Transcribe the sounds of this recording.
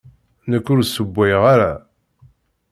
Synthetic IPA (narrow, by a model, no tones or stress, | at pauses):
nəkːʊɾsəbʷːæjʁaɾa